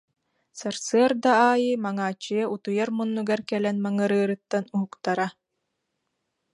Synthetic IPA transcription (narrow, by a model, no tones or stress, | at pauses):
saɾsɯɐɾd̪aaːjɯːmaŋaːt͡ʃːɯjɛʔut̪ujaɾmunːuɡaɾkɛlɛnmaŋɯɾɯːɾɯt̪ːanuɦukt̪aɾa